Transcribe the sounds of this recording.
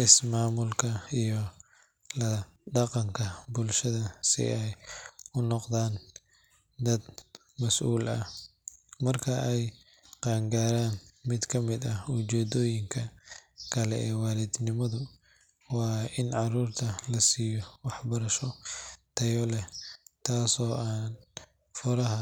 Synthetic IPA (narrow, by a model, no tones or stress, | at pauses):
ʔɪsmaːmʊlkʰɐijɔ | lɐ | ɖɑqɑŋkʰɐbʊlʃɐðɐsɪ̰ʔɛjʊnɔqd̪aːn | d̪ɐd̪ | mɐsʔuːlɐ̰h | mɐrkʰɐʔɛj | qɑːŋɡaːɾaːnmɪd̪kʰɐmɪd̪ɐʊt͡ʃɛːd̪ɔːjɪŋkʰɐkʰɐlɛɛːwɑːlɪd̪nɪmɐðʊ | wɑːʔɪnʕɑruːrt̪ʰɐlɐsiːjɔwɑħbɐɾɐʃɔt̪ʰɐjɔlɛt̪ʰaːsɔːʔaːn | fʊɾɐɦɐ